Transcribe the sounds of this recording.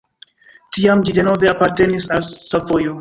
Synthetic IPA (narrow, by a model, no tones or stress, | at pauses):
tiamd͡ʒide̞no̞ve̞apaɾte̞nisalsavo̞jo